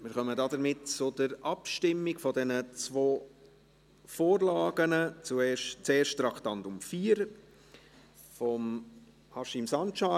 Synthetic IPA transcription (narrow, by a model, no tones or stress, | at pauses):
mɪːɾχœmədɑːdəɾmɪtt͡sʊd̥əɾɑpʃtɪmːɪɡfɔdɛnət͡svoː | foːɾlɑːɡənət͡suɛːʃt͡seːʃttɾɑkʰtɑntʊmfiːəɾ | fɔm | hɑʃɪmsɑnt͡ʃa